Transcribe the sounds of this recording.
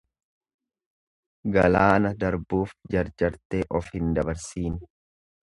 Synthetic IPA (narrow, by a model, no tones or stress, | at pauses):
ɡɐlaːnɐd̪ɐɾbuːfd͡ʒɐɾd͡ʒɐɾt̪eːʔɔfhɪnd̪ɐbɐɾsiːn